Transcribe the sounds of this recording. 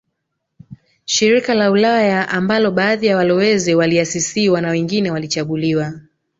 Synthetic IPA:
ʃiɾikalaulajaʔambalɔɓaːðijawalɔwɛziwaliasisiwanawɛŋɡinɛwalit͡ʃaɠuliwa

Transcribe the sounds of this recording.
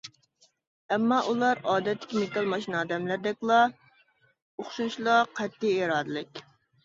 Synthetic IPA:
ɛmːɑʔulˠɑɾɑːd̪ɛt̪ʰːɪ̥kʲimekɑlˠmɑʃinɑːd̪ɛmlæɾd̪ɛkʲlˠɑ | oχʃunʃlˠɑqʰɛt̪ːɪeɾɑːd̪ɨlˠɪkʲ

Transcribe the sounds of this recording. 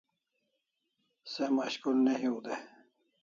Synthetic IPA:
semaɕkulneɦiud̪e

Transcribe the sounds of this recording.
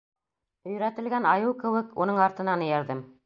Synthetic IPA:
ɵ̆j̆ɾæt̪ɘ̆lɡænɑjɤwkɘ̆wɘkunɤɴɑɾt̪ɤ̆nɑnɵ̆jæɾðɘm

